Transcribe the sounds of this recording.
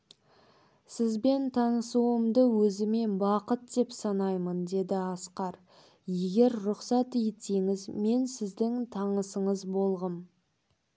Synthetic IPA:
sɪzbe̞nt̪ʰɑnəsuəmd̪əwɵzɪme̞nbɑqət̪̚d̪e̞psɑnɑjmənd̪e̞d̪ɪɑsqɑɾ | je̞ɡʲe̞ɾɾʊqsɑt̪ejt̪eŋɪzme̞nsɪzd̪ɪŋt̪ʰɑɴəsəɴəzbo̞lˠʁəm

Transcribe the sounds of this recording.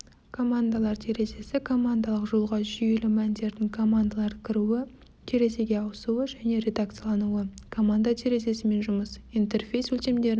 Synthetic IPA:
kʰo̞mand̪alˠɑɾt̪ʰe̞ɾe̞se̞sɪkʰo̞mand̪alˠəqʒolˠʁɑʒʏje̞lɪmænd̪e̞ɾd̪ɪŋkʰo̞mand̪alˠɑɾkʲʰɪɾuɪ | t̪ʰe̞ɾe̞se̞ɡʲe̞ɑwəsuwəʒæne̞ɾe̞d̪ak̚t̪sɨjalˠɑnuəkʰo̞mand̪at̪ʰe̞ɾe̞se̞sɪme̞nʒʊməsint̪e̞rfʲe̞jsɵlt̪e̞md̪e̞ɾɪ

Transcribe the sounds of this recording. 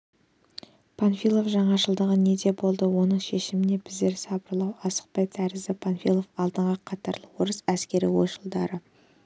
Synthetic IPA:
pʰonfilˠo̞fʒɑɴɑʒəlˠd̪əʁəne̞d̪e̞bo̞lˠd̪əwo̞nəɴʃe̞ʃɪmɪne̞bɪzd̪e̞ɾsɑbəɾlˠɑwɑsə̥q̚pɑjt̪ʰæɾɪzd̪ɪpʰonfijlˠo̞fɑlˠd̪əɴʁəqʰɑt̪ɑɾlˠəwoɾəsæskʲe̞ɾɪ̰wo̞̰ʃəlˠd̪ɑɾə

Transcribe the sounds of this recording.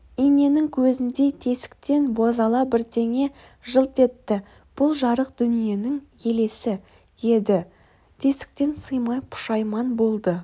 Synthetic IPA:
ine̞nɪŋkʲʰɵzɪnd̪e̞t̪ʰe̞sɪ̥k̚t̪e̞nbozɑlˠɑbɪɾt̪ʰe̞ŋe̞ | ʒəlˠt̪e̞t̪ːɪ | b̥ʊlˠʒɑɾəq̚d̪̥ʏnije̞nɪŋje̞le̞sɪ | je̞d̪ɪ | t̪ʰe̞sɪ̥k̚t̪e̞nsəjmɑjpʰʊ̥ʃɑjmɑnbo̞lˠd̪ə

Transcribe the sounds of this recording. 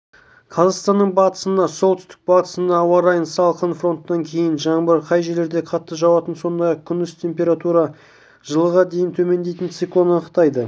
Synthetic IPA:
qʰɑzɑʁst̪ɑnːəɴbɑt̪ə̥sənd̪ɑso̞lˠt̪ʏst̪ɪk̚bɑt̪ə̥sənd̪ɑːwɑɾɑjənsɑlˠqənfro̞nt̪ːɑŋkʲʰe̞jɪnʒɑɴbəɾqʰɑjʒele̞ɾd̪e̞qʰɑt̪ːəʒɑwɑt̪ənso̞nd̪ɑjɑq̚kʲʰʏnd̪ʏst̪ʰe̞mpʲe̞ɾat̪uɾɑ | ʒ̥əlˠəʁɑd̪e̞jɪnt̪ʰɵme̞nd̪e̞jt̪ɪnt̪sijklˠo̞nənəqt̪ɑjd̪ə

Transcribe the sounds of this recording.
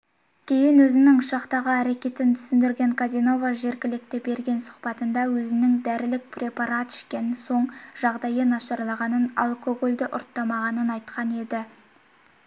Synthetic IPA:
kʲʰe̞jɪnwɵzɪnɪŋʊʃɑqt̪ɑʁəæɾe̞kʲe̞t̪ɪnt̪ʰʏ̥sɪnd̪ɪɾɡʲe̞ŋkʰazʲino̞vaʒe̞ɾkʲɪlɪk̚t̪ɪbe̞ɾɡʲe̞nsʊ̥qpɑt̪ənd̪ɑwɵzɪnɪŋd̪æɾɪlɪk̚prʲe̞pɑɾɑt̪ʏ̥ʃkʲenɪso̞ɴʒɑʁd̪ɑjənɑʃɑɾlˠɑʁɑnəna̰lˠkʰo̞ɡo̞lʲd̪ɪʔʊ̰ɾt̪ːɑmɑʁɑnənɑjt̪qɑne̞d̪ɪ

